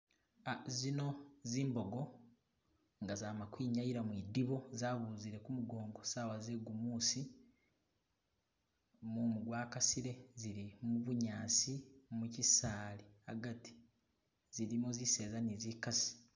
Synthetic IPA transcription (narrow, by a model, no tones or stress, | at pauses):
azino̞ziːmbo̞ɡo̞ | ŋɡazaːmakwiːɲajiɾamwiːdiβo̞zaːβuːziɾe̞kumuɡo̞ːŋɡo̞saːwazeɡumuːsi | mumuɡwaːkasiɾe̞ziɾimuβuɲaːsimucisaːlia̰ɡati̥ | ziɾimuzise̞ːzanizikasi̥